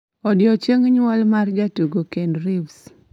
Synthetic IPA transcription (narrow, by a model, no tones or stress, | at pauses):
ɔdjɔt͡ʃeŋɲwalmard͡ʒatuɡokenrɪvs